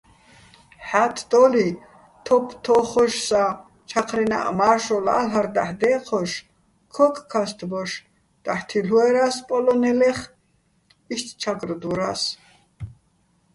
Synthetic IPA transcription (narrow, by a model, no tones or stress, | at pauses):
ħat̪ʰd̪ɔli | t̪ʰɔpʰt̪ʰɔχɔʃsa | t͡ʃʰaqʰɾɛna̰ʔmaʃɔla̰lɦaɾd̪aħd̪ɛːqʰɔʃ | kʰɔkʰʼkʰːast̪ʰbɔʃ | d̪̥aħt̪ʰiluɛɾaspʼɔlɔnɛlɛχ | iʃt̪ʰt͡ʃʰaɡɾd̪uɾas